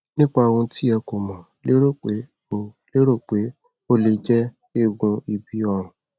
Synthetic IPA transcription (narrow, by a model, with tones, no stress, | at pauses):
nĩ˦k͡pa˧o˨˧wũ˧ti˦ɛ˧ko˨mɔ̃˨ | le˦ɾo˦˨k͡pe˨˦ | o˦˨ | le˦ɾo˦˨k͡pe˨˦ | o˦le˧d͡ʒɛ˦ | e˦˨ɡũ˧i˧bi˧˦ɔ˧ɾ̃ũ˨